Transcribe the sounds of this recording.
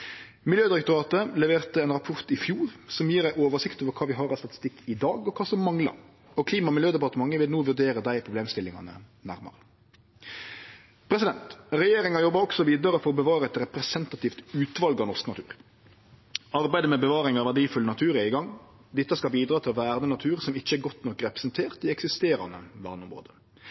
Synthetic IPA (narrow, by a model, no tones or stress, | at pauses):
mɪljøːd̪ɪɾɛk̚t̪ʊɾɑːt̪əlɛʋeːʁt̪əɛːnʁɑpʰɔɾt̪ɪfjuːɾsɔmjiːɾæɪʔoːʋəsɪkt̪oːʋəɾkʰɑːʋɪɦɑɾɑst̪ɑt̪ɪ̥st̪ɪkːɪd̪ɑːɡɔkʰɑːsɔmːɑŋlɑ̰ɾ | ɔkʰliːmɑmɪljøːd̪ɛpɑʁt̪əmɑŋːəʋɪlnuːʋʉɾd̪eːɾəd̪æɪpʰɾʊbleːmst̪ɪlːɪŋɑ̰nə̰næ̰ɾmɑ̰ɾə | pʰɾɛsɪd̪ɛnt̪ɾɛjeːɾɪŋɑjɔbːɑɾɔksɔʋiːd̪ɑɾəfɔɾɔbəʋɑːɾɛt̪ɾɛpɾɛsɛnt̪ɑt̪iːft̪ʉːt̪ʋɑlɡɑʋnɔɾsknɑt̪ʰʉːɾ | ɑɾbæɪd̪əmɛbəʋɑːɾɪŋɑʋæɖiːfʉlənɑt̪ʰʉːɾɛɪɡɑŋ | d̪ɪt̪ːəskɑlbiːd̪ɾɑːt̪ʰɪlɔʋæːɾd̪ənɑt̪ʰʉːɾsɔmɪçːəæɾɡɔt̪nɔkːɾɛpɾə̥sɛnt̪ʰeːʁt̪ɪɛksɪst̪eːɾɑ̰nə̰ʋæʁd̪ɔmɾo̰ːd̪ə